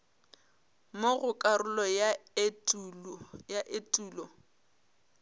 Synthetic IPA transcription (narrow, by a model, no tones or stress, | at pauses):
moɣʊkʼaɾʊlɔjatujaʔetʼuːlɔ